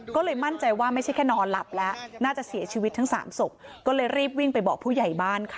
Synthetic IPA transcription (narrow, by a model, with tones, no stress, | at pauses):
kɔː˥˩lɤː˧jma˥˩nt͡ɕa˧jwaː˥˩ma˥˩jt͡ɕʰa˥˩jkʰɛː˥˩nɔː˧nla̰˨˩p̚lɛ˦˥naː˥˩t͡ɕa˨˩si˨˩˦ɐt͡ɕʰiː˧wt̪ʰːa˦˥ŋsa̰ː˩˦mso˨˩k̚kɔː˥˩lɤː˧jɾiː˥˩p̚wi˥˩ŋpa˧jbɔ̰ː˨˩k̚pʰuː˥˩ja˨˩jbaː˥˩nkʰa˦˩